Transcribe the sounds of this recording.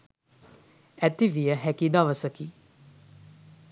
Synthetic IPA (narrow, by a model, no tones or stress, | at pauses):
æt̪iʋijəɦɛkid̪aʋəsəki